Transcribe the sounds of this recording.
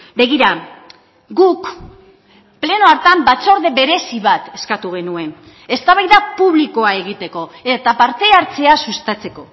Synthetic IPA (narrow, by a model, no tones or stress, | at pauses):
be̞ɣiɾa | ɡuk | ple̞noaɾt̪ambat͡so̞ɾðe̞βe̞ɾe̞siβat̪e̞skat̪uɣ̞e̞nue̞n | e̞st̪aβajðapuβliko̞ae̞ɣ̞it̪e̞ko̞et̪apaɾt̪e̞aɾt͡se̞asust̪at͡se̞ko̞